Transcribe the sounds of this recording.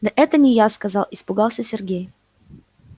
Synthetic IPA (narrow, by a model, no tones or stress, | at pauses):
nɐʔɛt̪ənʲɪjaskɐzɑlˠispʊɡalˠsʲəsʲɛrɡʲej